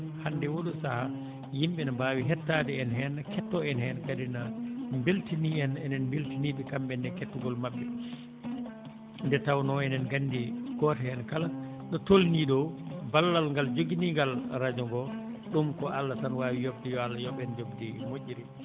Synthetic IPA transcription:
handɛwoɗusaha | jimɓɛnabaːwiɦɛtːadɛːnhɛnakʰɛtːɔɛnhɛnakadinambeltiniɛnɛnɛnmbeltiniːɓɛkamɓɛndɛkɛtːuŋɡɔlmaɓːɛ | ndɛtawnɔɛnɛnɡandikɔtahɛnkala | ɗɔtolniɗɔwbalːalŋɡald͡ʒoɡiniŋɡalɾad͡ʒɔŋɡɔɗumkɔalːatanwaːwijobdijɔalːajɔɓɛnd͡ʒobdimoʔːiɾi

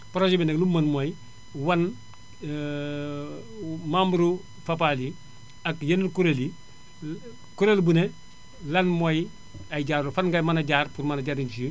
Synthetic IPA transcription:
pɔɾasibineklumanmoj | wan | mambuɾu | fapali | akjeniɾkuɾeli | kuɾelbune | lanmoj | aɟaːɾufanɡamanaɟaɾpuɾmanaɟaːɾiɲt͡ʃi

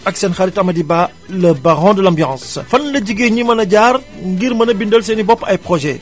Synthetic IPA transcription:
ɐksɛnxɐɾitɐmɐdibaː | lɐbɐɣɔ̃ːdəlãmbjɑ̃ːsfɐnlɐɟiɡeɲimɐnɐɟaːr | ŋɡiɾmɐnɐbindəlsɛnibɔpːɐjpχɔʒɛ

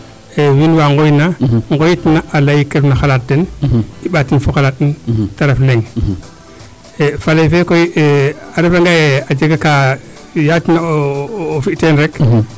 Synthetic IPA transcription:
ewinwaːŋɡojnaŋɡojitnaʔalajikefnaxalat̚dɛniɓatinfoxalaːt̚ːintaɾefleŋ | efalejfekoieaɾefaŋɡajead͡ʒeɡaka | jatinaː | fiktenɾek

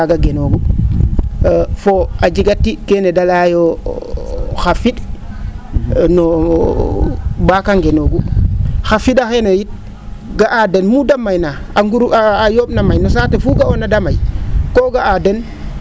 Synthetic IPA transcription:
aɡaɡenoːɡu | foad͡ʒiɡatːikenedalajo | xafiɗ | no | bakaŋɡenoːɡuxafiɗaxenojit̚ | ɡaʔadenmudamːajnaaŋɡuɾuaajoːb̚namajnos̬aːtefuɡaonadamajkoːɡaaden

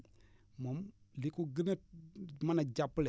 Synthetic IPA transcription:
momlikuɡinemanad͡ʒapːule

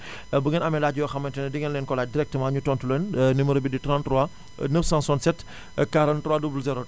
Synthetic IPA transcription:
buŋɐnɐmɛlaːɟjɔxɐmːɐntɛnɐdiŋɐnlɛnkɔlaːdiɾɛk̚təmaːɲutɔːntulɛnniməɾobiditɾãntrɔa | nəfsãnsɔnsɛt | kaɾɐntɾɔwaːdubulzɛɾo

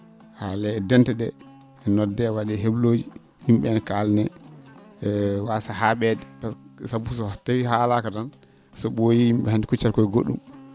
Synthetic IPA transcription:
halɛːdɛntɛɗɛː | nɔdːɛwaɗɛɦebloːd͡ʒi | himɓɛnɛkalnɛ | wasahaɓɛdɛpasabusɔtawihalakatan | sɔɓojihimɓɛhandikut͡ʃːaɾkɔiɡoɗːṵm

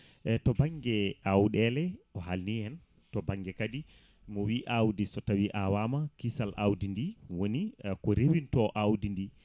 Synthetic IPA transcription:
ɛtɔbaŋɡɛawɗɛlɛɔhalniɛn | tɔbaŋɡɛkadi | mɔwiʔawdisɔtawiʔawamakisalʔawdindiwonikɔɾewintɔʔawdindi

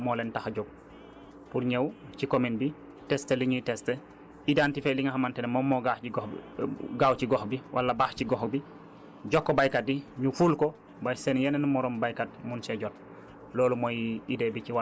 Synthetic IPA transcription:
moːlentaxɟoɡ̚ | puɾɲewt͡ʃikominbi | tɛsteliɲujitɛste | idantifeliŋahamantɛnmɔmːoɡaiɡɔ | ɡawt͡ʃiɡɔxbiwʔa̰lːabaːxciɡɔxbi | ɟɔkːobajkad̚iɲufulko | bajsenjenenmɔɾɔmbajkad̚munseɟɔt̚ | loːlumojidebit͡ʃiwa

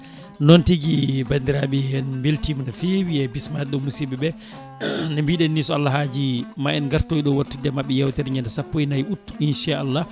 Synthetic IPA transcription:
nɔntiɡibandiɾaɓɛɛnmbeltimnafewiɛbismadɛɗɔmːusiɓɛɓɛ | nambiːɗɛnːisɔalːaɦad͡ʒimaɛnɡaɾtojɗɔwatːudɛmaɓːɛjawtɛɾiɲɛndasapːojnajutːinʃaalːa

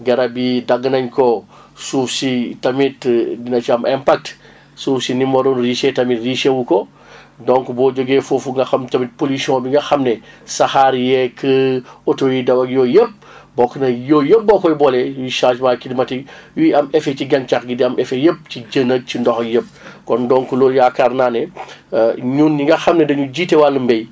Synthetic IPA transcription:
ɡɐɾɐbidɐɡənɐɲkɔ | suːfsitɐmitdinɐt͡ʃiɐmʔɛmpak̚t | suːfsinimbɐɾonɾiʃetɐmitriːʃewukɔ | dɔŋkubɔːd͡ʒoɡefoːfuŋɡɐxɐmtɐmit̚polisiɔ̃biŋɡɐxɐmnɛ | saxaːɾjɛkʰəotojidɐwɐɡjɔjəp̚ | bɔkɐnɐjoːjəp̚bɔkɔjbɔlɛjiʃad͡ʒmakidimɐtiwiɐmɛfɛt͡ʃiɡɐnt͡ʃakɡidiɐmɛfɛjəp̚t͡ʃid͡ʒənəɡ̚t͡ʃindɔxjəp̚kɔndɔːŋkulɔːljakaɾnaːnɛ | ɲuːnːiŋɡɐxɐmnɛdɐɲuɟiːtɛwalːəmbɛj

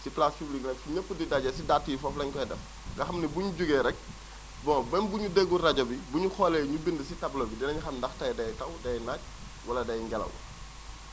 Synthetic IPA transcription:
siplaspubliknɐfuɲəpːədidɐɟɛsidatːijifɔflɐɲkɔjdɛf | ɡɐxɐmnibuɲuɟuɡɛɾɛk̚ | bɔbɛnbuɲudeɡurɐɟɐbibuɲuxɔːlɛɲubindəsitɐblɔbidinɐɲuxɐndɐxtɐjdɐjtɐwdɐjnac̚ | wɐlɐdɐjŋɡɛlɐ̰wɐ̰

